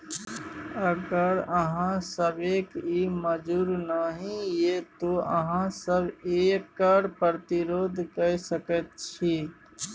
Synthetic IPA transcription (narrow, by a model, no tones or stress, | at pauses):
əɡəɾəɦãsəbeːkiːməd͡ʒuːɾnaɦĩjet̪oːəɦãsəbeːkːaːɾpəɾt̪ɪɾoːd̪ʱkəsəkət̪̚t͡ʃʰiː